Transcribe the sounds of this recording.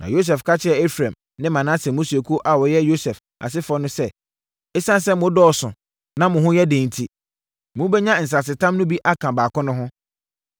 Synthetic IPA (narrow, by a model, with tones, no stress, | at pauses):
nʔã̰˨jo˦s̬ɛ˨fkʰa˦t͡ɕʰɪ˦ɛ˨e˦fɾã˨m | nɪ̃˦mã˨nã˦sɛ̃˨mʊ̃˦su˨e˨kʰu˦ʔa˨wɔ˨jɛ˦jo˦sɛ˨f | a̰˨s̬ɪ˦fɔ˦nʊ̃˦sɛ˦ | ɛ˦sã˦n˦sɛ˦mʊ̃˦dɔː˦sʊ̃˨ | nã˦mʊ̃˨ɦʊ̃˦jɛ˦dẽ˨n˨tʰi˦ | mʊ̃˦bɛ˦ɲã˦n̩˨s̬a˨s̬ɪ˨tʰã˦mnʊ̃˦bi˦ʔa˦kʰã˨baː˨kʰɔ̃˦nʊ̃˦ɦʊ̃˦